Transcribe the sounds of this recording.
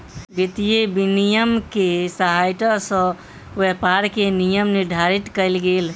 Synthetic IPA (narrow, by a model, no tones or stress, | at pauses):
bit̪ijebinijəmkesəɦajʈ̪əsə̃ | ʋepaɾkenijəmniɾɖ̪ʱaɾit̪kəɪlɡeːl